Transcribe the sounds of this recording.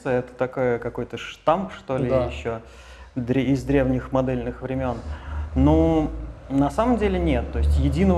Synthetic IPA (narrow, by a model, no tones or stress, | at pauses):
sɨɛt̪ə̥t̪ɐkojəkɐko̞jt̪əʂt̪ampʂt̪o̞lʲɪjɪɕːo | d̪ɾʲɪzd̪ɾʲe̞vnʲɪxmɐd̪ɛlʲnɨxvɾʲɪmʲo̞nno | nɐsaməmdʲelʲɪnʲe̞t̪ːo̞ɪsʲtʲjɪdʲinəv